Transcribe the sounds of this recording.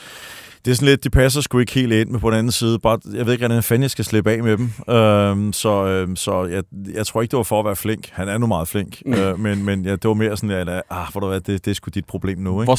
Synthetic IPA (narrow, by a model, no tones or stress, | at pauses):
d̥e̝sɔ̽nle̝d̥̚ːipʰæs̬ɐsɡ̥ue̝ɡ̥əhe̝̰ːld̥e̝n̰mepʰɒ̽en̩ænn̩siːð̞̩ˠəb̥ɑ̈ːjɑɪeðˠeɡʁædænfænjɑɪsɡ̥æsle̝b̥ɛ̰ːmed̥em̩øsɒ̽øsɒ̽jæɪjɑ̈ɪt͡sʰʁoɐeɡ̥d̥eʋɑ̈fɒːʋæːɐfle̝ŋ̰ɡ̥hænæɐenumɑ̈ːð̞̩ˠfleŋ̰ɡ̥ømenmenjæd̥e̝ʋɑ̈me̝ːɐsɔ̽nlæɑhʋæɾ̥uʋæd̥e̝d̥e̝sɡ̥ud̥id̥̚pʰʁo̝b̥le̝̰ːmnue